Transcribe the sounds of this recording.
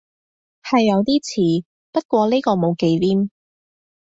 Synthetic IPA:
hɐ˨jːɐ˨˧wt̪iː˥t͡sʰiː˨˩ | pɐ˥t̚kʷɔː˧liː˥kɔː˧mo˨˧wke˨˧jliː˥m

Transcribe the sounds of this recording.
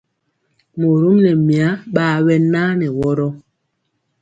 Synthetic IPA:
mo˨ɾu˦mnɛ˨mi˨a˦ɓaː˦wɛ˦naː˦nɛ˨wɔ˦ɾɔ˦

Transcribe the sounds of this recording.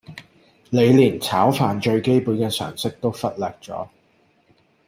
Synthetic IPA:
le˨˧jliː˨˩nt͡sʰaː˨˥wfaː˨nt͡ʃɵ˧ɥke˥jpuː˨˥nkɛː˧sœ̰ː˨˩ŋsɪ˥k̚t̪o˥wfɐ˥t̚lɛː˨k̚t͡sɔ̰ː˨˥

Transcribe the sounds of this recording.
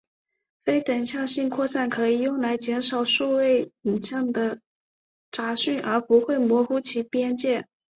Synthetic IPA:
fe˥ɪt̪ə˨˩ŋɕjɑ˥˧ŋɕi˥˧nkʰwɔ˥˧sa˥˩nkʰɤ˧˥i˨˩jʊ˥˩ŋla˧˥ɪt͡ɕjɛ˧˥nʂɑ˨˩ʊʂu˥˧we˥˩ɪi˨˩nɕjɑ˥˩ŋd̪ə˨ | ʈ͡ʂa˧˥ɕy˥˩nʔə˞˧˥pu˧˥xwe˥˩ɪmwɔ˧˥xu˥t͡ɕʰi˧˥pjɛ˥nt͡ɕjɛ˥˩

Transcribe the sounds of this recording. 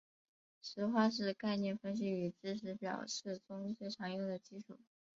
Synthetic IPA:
ʂɻ̩˧˥xwa˥ʂ̬ɻ̩˥˧ka˥˧ɪnjɛ˥˩nfə˥nɕ̬i˧˥y˨˩t͡sɻ̩˥ʂʰɻ̩˧˥pjɑ̰˨˩ʊʂɻ̩˥˩t͡sʊ˥ŋt͡swe˥˩ɪʈ͡ʂʰɑ˧˥ŋjʊ˥˩ŋd̪ə˩t͡ɕi˥ʈ͡ʂʰṵ˨˩˦

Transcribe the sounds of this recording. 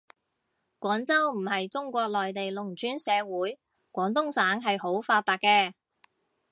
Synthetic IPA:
kʷɔː˨˥nt͡sɐ˥wm̩˨˩hɐ˨jt͡sʊ˥ŋkʷɔː˧k̚lɔː˨jt̪e˨jlʊ˨˩ŋt͡ʃyː˨˥nsɛː˨˧wuː˨˥j | kʷɔː˨˥ŋt̪̬ʊ˥ŋsaː˨˥ŋɦɐ˨jho˨˥wfaː˧t̚t̪aː˨˩k̚kɛː˧

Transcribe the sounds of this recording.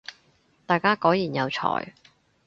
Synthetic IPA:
t̪aː˨˩jkaː˥kɔː˨˥jiː˨˩njɐ˨˧wt͡sʰɔ̰ː˨˩j

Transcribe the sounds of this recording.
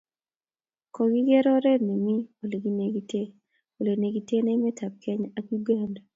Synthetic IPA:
ko˨ɡi˦ɡe˦ɾɔ˦ɾe˦ni˨mi˦o˨le˨ɡi˦ne˦ɡi˦te˦ | o˨le˨ne˨ɡi˦te˦ne˦mɛ˦tʰa˨p̚kɛ˦ɲa˨ki˦ɡɛ˦nd

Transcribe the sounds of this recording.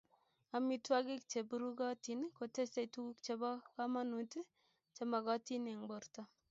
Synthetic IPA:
a˨mi˦twa˦ɡɪ˦kt͡ʃe˨bu˨˦ɾu˦ɡɔ˦ti˨nko˨te˦ste˦˨tu˦ɡu˦k̚t͡ʃe˨bɔ˦ka˦ma˦nu˨ti˦ | t͡ʃe˦ma˨ɡɔ˦ti˦n˨a˨ŋbɔ˨ɾtɔ˦

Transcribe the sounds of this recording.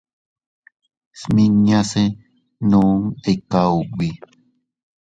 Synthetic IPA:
smĩ˧ɲã˧se˦ | nũ˦ŋe˨kauwi˨

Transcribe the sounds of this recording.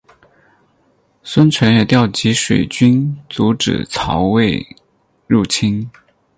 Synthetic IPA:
swə˥nt͡sʰwə˧˥nɛ˨˩t̪jɑ˥˩ʊt͡ɕi˧˥ʂwḛ˨˩ɪt͡ɕy˥nt͡su˧˥ʈ͡ʂɻ̩̰˨˩t͡sʰɑ˧˥ʊwe˥˧ɪ | ɻu˥˩t͡ɕʰi˥n

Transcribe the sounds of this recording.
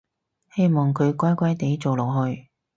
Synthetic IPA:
he˥jmɔː˨ŋkʰɵ˨˧ɥkʷaː˥jkʷɐ˥jt̪e˨˥jt͡so˨wlɔ˨˩ɦɵ˧ɥ

